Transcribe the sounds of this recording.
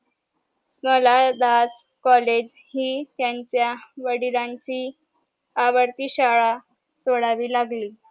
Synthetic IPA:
sməlad̪as | kɔled͡ʑ | hiːt̪jaɲt͡ɕjaʋəɽiɾaɲt͡ɕiː | aʋəɾt̪iːɕaɭa | soɽaʋiːlaɡliː

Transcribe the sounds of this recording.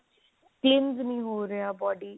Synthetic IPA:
klɪnznĩːɦoːɾejaːbɔːɖiː

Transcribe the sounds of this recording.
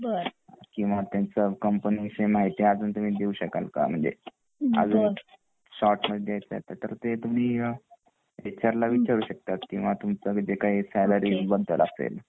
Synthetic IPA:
bəɾkĩw̃ʋat̪jant͡səkəmpənisemaɦit̪iad͡zuːnt̪um̤iːd̪euɕəka̰lka̰m̤əɳd͡zḛ | a̰d͡zuːn | ɕɔʈməjajt͡sa̰ɦet̪at̪əɾt̪et̪um̤iː | et͡ɕaɾlaʋit͡ɕaɾuːɕək̚t̪at̪kĩw̃ʋat̪umt͡səɡd͡ʑekaɦiːsɛləɾiːbəd̪ʱːəla̰sḛl

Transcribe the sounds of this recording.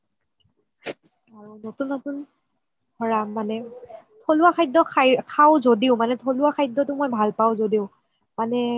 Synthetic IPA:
aɹunotunːotun | dʱɔɹamanɛtʰoluakʰajdɔkʰakʰaʊ̃zodiʊmanɛtʰoluwakʰajdːɔtʊmojbʱalpaʊ̃zodiʊ | manɛ

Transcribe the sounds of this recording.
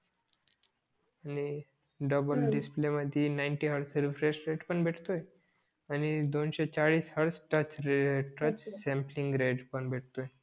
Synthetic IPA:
ani | ɖəbəlɖispleməd̪ʱinaɪnʈiɦəɽsɾifɾesʈɾeʈpəɳbeʈʰt̪oe | anid̪onʃet͡ɕaɭiːshəɽsʈət͡ʃʈət͡ʃsɛ̃mpliŋɡɾeɖpəɳbeʈʰt̪oe

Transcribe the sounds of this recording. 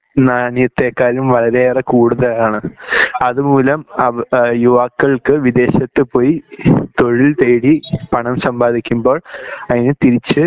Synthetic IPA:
naːnjɐt̪ːe̞ːkːaːlumʋɐɭɐɾe̞ːrekuːɽuðɐlaːɳɨɐðumuːlɐmɐjuʋaːkːɐɭkɨʋid̪e̞ːɕɐt̪ːɨpo̞ːjit̪o̞ɻilt̪eːɽipɐɳɐmsɐmbaːd̪ʱikʲːumbo̞ːɭɐðinɨt̪iɾit͡ɕːɨ

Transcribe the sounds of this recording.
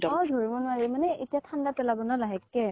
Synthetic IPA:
ɔdʱoɹibɔnʊwaɹɛmanɛʔetijatʰandapɛlabɔnɔlaɦɛkːɛ

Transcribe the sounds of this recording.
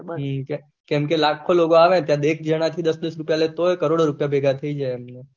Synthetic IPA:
ɦkɛ | kɛ̃mkelakʰːoloɡoaʋẽt̪jãd̪ek̚ʰd͡ʒəɽ̃at̪ʰid̪əsd̪əsɾupjalet̪oɦojkəɾoɽoɾupjabʱeɡat̪ʰəid͡ʒaeɛmne

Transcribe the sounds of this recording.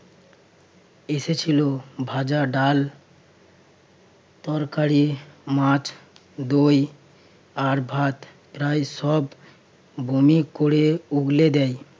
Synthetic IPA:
eset͡ʃʰilobʱad͡ʒaɖal | t̪ɔɾkaɾimãt͡ʃʰ | d̪oj | aɾbʱat̪ | pɾajsɔb | bʱumikoɽeuɡled̪ɛj

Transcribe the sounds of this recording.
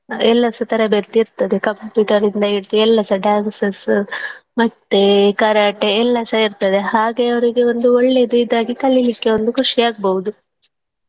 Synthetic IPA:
ɛlːɐsɐt̪ɐɾɐbeɾt̪iɾt̪ːɐd̪e̞kɐmpjuːʈɐɾind̪ɐiɾt̪iɛlːɐsɐɖaːnsɐs | mɐt̪ːe̞kɐɾaːʈeɛlːɐsɐiɾt̪ɐd̪e̞ɦaːɡe̞ɐʋɐɾiɡe̞o̞nd̪uoɭːe̞d̪uid̪aːɡikɐɭilikːe̞ond̪ukuʂiaːɡ̚bɐɦud̪u

